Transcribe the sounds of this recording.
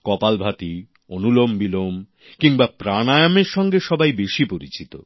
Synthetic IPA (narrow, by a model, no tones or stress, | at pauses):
kɔpalbʱat̪i | onulombilom | kiŋbapɾanajameɾʃɔŋɡeʃɔbajbeʃipoɾḭt͡ɕit̪o̰